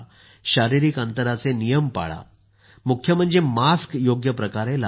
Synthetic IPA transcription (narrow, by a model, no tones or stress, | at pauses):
ɕaɾiɾiːkant̪əɾat͡senijəmpa̰ɭa̰ | mukʰːjəm̤əɳd͡zemaskjoɡjəpɾəkaɾela